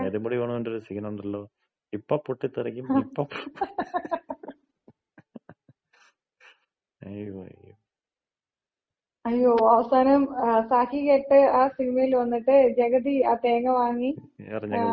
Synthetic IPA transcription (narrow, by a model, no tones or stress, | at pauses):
eðumboɽiʋeːɳuonɖoɾusiɡnɐoɳɖɐlːoː | ipːopːuʈːit̪ːɐɾɐkʲːumpːo | ɐjʋɐ̰j | ɐjːoːɐʋɐsaːnɐmsaːkikeːʈːɨaːsiɡnɐjilʋɐnːiʈːɨd͡ʑɐɣɐðiaːt̪eːŋɐʋaːŋːiɐ̰riɲːɐ